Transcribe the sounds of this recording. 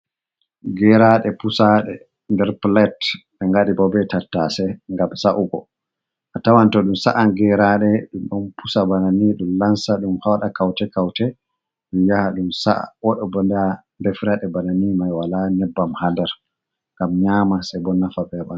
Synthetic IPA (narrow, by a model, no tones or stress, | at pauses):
ɡɛɾaɗɛpusaɗɛ | ndɛɾplɛtɓɛŋɡaɗibɔbɛtatːasɛŋɡamsaʔuɡɔ | ʔatawantɔɗumsa̰ʔaɡɛɾaɗɛɗumɗɔnpusabananiɗumlansaɗumhawɗakawtɛkawtɛ | ɗijahaɗumsa̰ʔa̰ʔɔɗɔbɔndambɛfɾaɗɛbananimajwalanɛbːamhadɛɾ | ŋɡamɲamasɛbɔnːafabɛba